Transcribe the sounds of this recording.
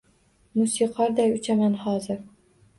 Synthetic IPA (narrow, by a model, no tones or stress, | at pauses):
musiqʰɑɾd̪ɛjyt͡ʃʰɛmɛnhɑːzɨɾ